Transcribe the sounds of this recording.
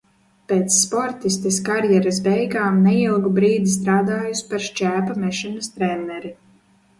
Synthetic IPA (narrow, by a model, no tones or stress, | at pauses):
peːt̪sːpɔɾt̪ist̪eskaɾjɛɾasbɛjɡaːmnɛilˠɡubɾiːd̪ist̪ɾaːd̪aːjuspaɾʃt͡ʃæːpamɛʃɛnɐst̪ɾɛnːɛɾi